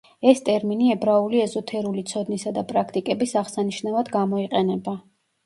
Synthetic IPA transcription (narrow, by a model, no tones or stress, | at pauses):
ɛst̪ʼɛɾminiɛbɾauliɛzɔt̪ʰɛɾulit̪sʰɔd̪nisad̪apʼɾakʰt̪ʼikʼɛbisaʁsaniʃnavad̪ɡamɔiqʼɛnɛba